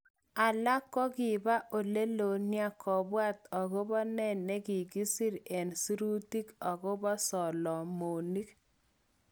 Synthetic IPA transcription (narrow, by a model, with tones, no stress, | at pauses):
a˨la˦kːɔ˦ɡɪ˨ba˦ʔo˨le˦lo˨nɪ˦a˦kʰɔ˨bwa˦t̪ɔ˨ɡo˦bɔ˦nɛ˦˨nɛ˦ɡɪ˨ɡi˦si˦ɾe˨nsi˦ɾu˦ti˦kɔ˨ɡɔ˦bɔ˦sɔ˨lɔ˨mo˨ni˦k